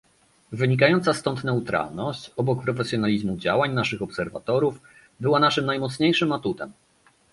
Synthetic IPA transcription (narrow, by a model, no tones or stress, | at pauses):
vɘɲikajɔnt̪sast̪ɔnt̪nɛut̪ɾa̰lnɔɕt͡ɕɔbɔk̚pɾɔfɛsjɔnalʲizmud͡ʑawaɲnaʂɘxɔpsɛɾva̰t̪ɔɾuf | bɘwanaʂɘmnajmɔt̪sɲejʂɘmat̪ut̪ɛ̰m